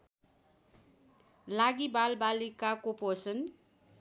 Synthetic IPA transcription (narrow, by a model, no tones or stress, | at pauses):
laɡibalbalikakoposʌn